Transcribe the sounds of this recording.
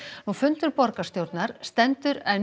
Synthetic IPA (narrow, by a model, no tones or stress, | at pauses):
nufʏnt̪ʏɾpɔɾkast̪jowɾt̪naɾ̥st̪ɛnt̪ʏɾɛn